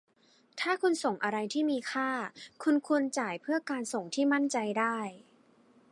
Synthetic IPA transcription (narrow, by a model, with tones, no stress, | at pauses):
t̪ʰaː˥˩kʰu˧nso˨˩ŋʔa˧ɾa˧jt̪ʰiː˥˩miː˧kʰaː˥˩kʰu˧nkʰu˧ənt͡ɕaː˨˩jpʰɯ˥˩ɐkaː˧nso˨˩ŋt̪ʰiː˥˩ma˥˩nt͡ɕa˧jdaː˥˩j